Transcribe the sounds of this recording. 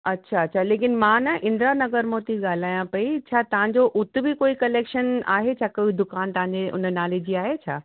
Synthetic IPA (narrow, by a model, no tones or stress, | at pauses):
ɐtːɕʰaɐtːɕʰaleːkɪnmãːnɐʔɪ̃nd̪ɾanɐɡəɾmoːt̪iɠaːl̤aːjãpɐit͡ɕʰaːt̪ɐʋ̤ãɲd͡ʑoʔʊt̪ɪ̆bɪkoːikɐleːkʃəna̰ːɦet͡ɕʰaːkɐid̪ʊkaːnt̪ɐʋɦãɲd͡ʑeʔʊ̰nənaːled͡ʑiːaːɦet͡ɕʰaː